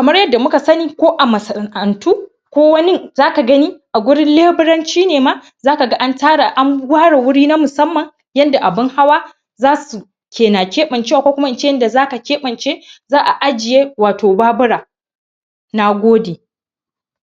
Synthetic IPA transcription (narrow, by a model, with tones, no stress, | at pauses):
kɐ˨mɐ˦rjɐ˦dːa˨mʊ˦ka˨sɐ˦niː˨kʷoː˦ʔa˨mɐ˨sɐ˨ʔɐ˨ntʰuː˦ | kʷoː˦wɐ˦nɪ˦ŋzaː˦ka˨ɡɐ˦niː˦ʔa˨ɡʷʊ˦ɽɪ˦nleː˦bɪ˦ɽɐ˦nt͡ʃiː˦neː˨maː˦ | zaː˦ka˨ɡa˦ʔa˦ntaː˦ɽa˨ʔa˦ŋwʷaː˦ɽe˨wʊ˦ɽiː˦na˦mʊ˨sɐ˦mːɐ˨ŋ | jɐ˦nda˨ʔa˨bɪ˦ŋha˦waː˦ | zaː˦su˨ | kʲeː˨na˨kʲeː˦ɓɐ˨nt͡ʃeː˦wa˨kʷoː˦kʷʊ˦ma˦ʔɪ˨nt͡ʃeː˦jɐ˦nda˨zaː˦ka˨kʲeː˦ɓɐ˨nt͡ʃeː˦zaː˦ʔa˨ʔa˦d͡ʒɪ˨jeː˦waː˨toː˨baː˦bʊ˦ɽaː˨ | na˦ɡʷoː˦deː˨